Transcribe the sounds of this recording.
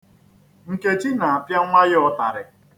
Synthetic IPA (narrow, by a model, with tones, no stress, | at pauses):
ŋ̩˨ke˦t͡ʃi˦na˨a˨pja˦ŋʷa˦jɔ˨ta˨ɾɪ˨